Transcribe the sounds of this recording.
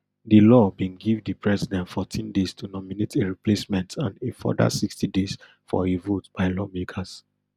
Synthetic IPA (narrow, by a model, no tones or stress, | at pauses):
dilɔbĩnɡivdipɹɛzidɛ̃ntfɔtʰĩndestʰunɔminetʰeɹiplesmɛ̃ntʰãnefɔ̰da̰sikstides | fɔ̰evotb̥aɪlɔmekʰas